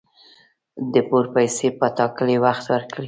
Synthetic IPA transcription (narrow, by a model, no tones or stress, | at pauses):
d̪əpoɾpajsepət̪ɑkəlewaxt̪wəɾkɽi